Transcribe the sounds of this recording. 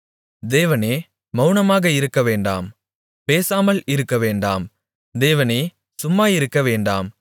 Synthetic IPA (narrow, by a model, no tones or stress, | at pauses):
d̪eːʋɐneː | mɐʊnɐmaːɣɐɪɾɯkːɐʋeːɳɖa̰ːm | peːsaːmɐlɪɾɯkːɐʋeːɳɖa̰ːm | d̪eːʋɐneː | sʊmːaːjɪɾɯkːɐʋeːɳɖa̰ːm